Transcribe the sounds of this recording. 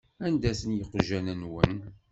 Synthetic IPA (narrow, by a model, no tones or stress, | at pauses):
ænd̪æsənjəqːʒænænwən